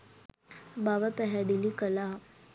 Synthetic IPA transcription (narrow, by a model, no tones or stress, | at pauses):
baʋat̪əɦad̪ilikəla